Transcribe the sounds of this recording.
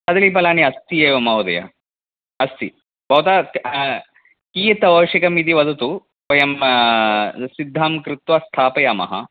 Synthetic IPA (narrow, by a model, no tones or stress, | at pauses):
t̪ɐd̪ɐlipɐlaːniɐst̪ijeːʋɐmɐwd̪ɐ̰jɐ̰ | ɐst̪ḭ | bʱɐwt̪aː | kiːt̪ɐʋɐːʂikɐmid̪iʋɐd̪ʱɐt̪u | pɐjɐm | sid̪ʱːaːmkɾɪt̪ʋɐst̪ʰaːpɐjaːmɐ̰ɦɐ̰